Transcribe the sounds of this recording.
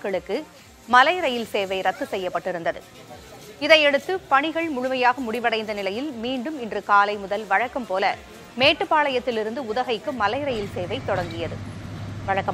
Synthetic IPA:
kɐɭɯkːɯ | mɐlɐɪɾɐjɪlseːʋɐɪɾɐt̪ːɯsɛjːɐpːɐʈːɪɾɯnd̪ɐðɯ̰ | ɪðɐɪɛɽɯt̪ːɯpɐɳɪɣɐɭmʊɻʊmɐjaːɣɐmʊɽɪʋɐɽɐɪnd̪ɐnɪlɐjɪlmiːɳɖɯmɪndrɯkaːlɐɪmʊðɐlʋɐɻɐkːɐmpoːlɐ | meːʈːɯpːaːɭɐjɐt̪ːɪlɪɾɯnd̪ɯʊðɐɣɐɪkːɯmɐlɐɪɾɐjɪlseːʋɐɪt̪ːɔɽɐŋɡɪjɐðɯʋɐɻɐkːɐm

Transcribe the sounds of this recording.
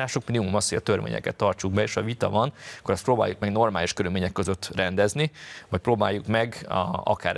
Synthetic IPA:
aːʃokminimumɒshoɟɒt̪ø̞rvḛːɲɛ̰kɛt̪ːɒrt͡ʃuɡ̚bɛeːʃɒvit̪ɒ̰vɒnkoɾɛst̪proːbaːjuk̚mɛɡno̞rmaːliʃkøɾylmeːɲɛkːøzøt̪ːrɛnd̪ɛznivɒc̚proːba̰ːjːukmɛɡɒ̰kaːɾ

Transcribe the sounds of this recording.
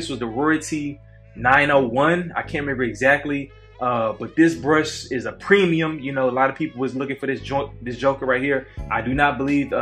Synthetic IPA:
ɪswʌzðəɹʊɹɨtʰi | nãɪ̃noʊwʌ̃na̰ɪkʰæ̃nɹɨmɛ̃mbə˞ɨɡzæk̚tˡli | ʔʌb̥ʌt̪̚ðɪsbɹʌsɪzəpʰɹ̥ĩmiɨ̃mjɨnoʊəlɑɾʌv̥pʰipl̩ˠwʌslʊkɪ̃ŋfə˞ðɪsd̥ʒʌðɪsd̥ʒ̥oʊkə˞ɹaɪt̚hiɹʔaɪdɨnət̚b̥əliv

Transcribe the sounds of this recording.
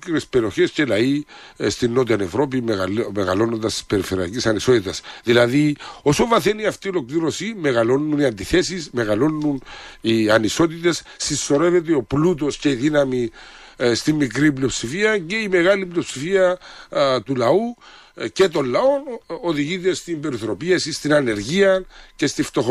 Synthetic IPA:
ɾespeɾio̞çe̞scelɐist̪inːo̞t̪̬iɐnevɾo̞p̬imeɣɐlo̞nond̪ɐst̪i̥spe̞ɾife̞ɾiɐ̰cisɐniso̞t̪it̪ɐsðilɐðio̞so̞vɐθeniɐft̪io̞lo̞kliɾo̞simeɣɐlo̞nːuniɐnd̪iθe̞sisme̞ɣɐlo̞nːuniɐniso̞t̪̬it̪e̞ssisːo̞ɾe̞vet̪̬eo̞plut̪̬o̞sce̞iðinɐmi | st̪imːikɾiplio̞psifiɐce̞ime̞ɣɐliplio̞psifiɐ | t̪ulɐu | ce̞t̪o̞lːɐo̞noðiʝit̪e̞st̪imbe̞ɾiθoɾo̞piesist̪inɐne̞ɾʝiɐce̞st̪ift̪o̞x

